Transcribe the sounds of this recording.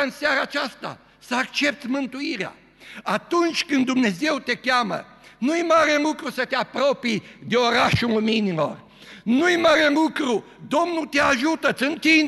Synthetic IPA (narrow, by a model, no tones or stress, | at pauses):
ɨnsjaɾaːt͡ʃast̪a̰ | səakt͡ʃe̞p̚t̪sʲmɨnt̪uiɾea̰ | at̪unt͡ʃʲkɨnd̪d̪umne̞ze̞wt̪e̞kʲjamə̰ | nujmaɾelukɾusət̪eapɾo̞pid̪e̞oɾaʃuluminilo̞̰r | nujmaɾelukɾu | d̪o̞mnut̪eaʒut̪ət̪sɨnt̪in